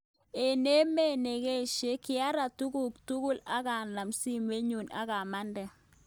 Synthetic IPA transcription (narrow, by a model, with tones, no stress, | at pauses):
e˨ne˦me˦˨ne˨ɣe˦˨ʃe˦kɪ˦a˦ɾa˨tu˦ɡu˦˨k̚tu˦ɣʊ˦la˦ɣa˨na˨msi˦me˦ɲu˨na̰˨ɣa˨ma˦ndɛ˨